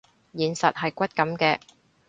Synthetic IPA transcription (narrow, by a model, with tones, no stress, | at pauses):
jiː˨˩nsɐ˨t̚ɦɐ˨jkʷɐ˥t̚kɐ˨˥mkɛː˧